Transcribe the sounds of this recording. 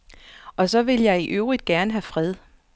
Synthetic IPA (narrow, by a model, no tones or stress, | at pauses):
ʔɒ̽sɒ̽ʋe̝ljɑ̈ɪiʔøʊʁid̥̚ɡ̥æɐnəɦæfʁɛð̞ˠ